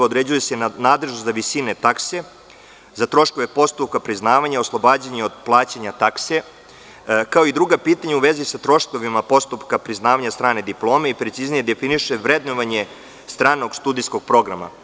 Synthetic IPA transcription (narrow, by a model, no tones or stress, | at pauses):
od̪ɾed͡ʑuje̞senaːd̪leʒnuzaʋisine̞t̪akse | zat̪ɾo̞ʃko̞ʋe̞po̞st̪up̚kapɾiznaːʋaɲaoslˠo̞baːd͡ʑeɲeo̞d̪plˠaːt͡ɕaɲat̪akse | kao̞id̪ɾuɡapiːt̪aɲeuʋe̞zisat̪ɾo̞ʃko̞ʋimapo̞st̪upkapɾiznaːʋaɲast̪ɾaːne̞d̪iplˠo̞ːme̞ipɾet̪siznije̞d̪e̞finiʃeʋɾed̪noʋaɲe | st̪ɾaːno̞ɡst̪uːd̪ijsko̞ɡ̥̚pɾo̞ɡɾa̰ma̰